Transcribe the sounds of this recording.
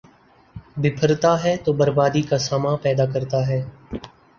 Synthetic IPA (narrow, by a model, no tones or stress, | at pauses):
bɪpʰəɾt̪aːɦɛːt̪oːbəɾbaːd̪iːkaːsaːmãːpɛːd̪aːkəɾt̪aːɦɛː